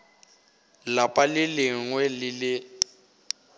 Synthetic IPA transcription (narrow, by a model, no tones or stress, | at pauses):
lapʼalɪlɪŋwɛlɪlɪ